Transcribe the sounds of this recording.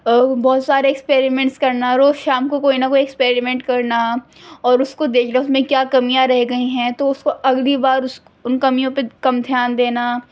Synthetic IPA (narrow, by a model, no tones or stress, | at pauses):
bɔːt̪saːɾeɛkspeːɾimɛ̃ɳʈskɐɾnaɾoːʃaːmkokoːinɐkoːiɛkspeːɾimɛ̃ɳʈkɐɾna | ɔːɾʊskod̪eːkʰnaʊsmẽkjaːkɐmijãɾɛɦɡɐiɦɛ̃t̪oʊskoʔɐɡlibaːɾʊs | ʊnkɐmijõpekɐmd̪ʱjaːnd̪eːna